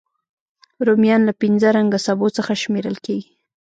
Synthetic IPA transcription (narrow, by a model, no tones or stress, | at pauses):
ɾomjɑnlapinzaɾaŋɡasabot͡səxaʃmeɾəlkeɡi